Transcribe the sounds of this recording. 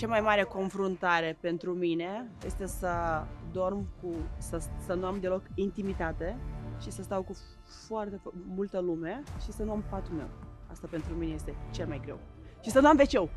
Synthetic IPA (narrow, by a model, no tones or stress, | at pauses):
t͡ʃamajmaɾe̞ko̞nfɾunt̪aɾe̞pe̞nt̪ɾumine̞jest̪e̞səd̪o̞rmkusəsənuamd̪e̞lo̞kint̪imit̪at̪e̞ʃisəst̪awku | foart̪efmult̪əlume̞ʃisənuampat̪ume̞̰wa̰st̪ape̞nt̪ɾuminejest̪e̞t͡ʃelmajɡɾe̞̰w | ʃisənuamve̞t͡ʃe̞w